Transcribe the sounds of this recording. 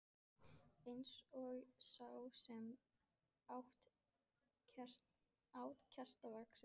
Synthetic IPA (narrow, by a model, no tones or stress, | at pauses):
ejnsɔɣsawsɛm | awht̪ | aːwt̪cʰar̥t̪avaksɪ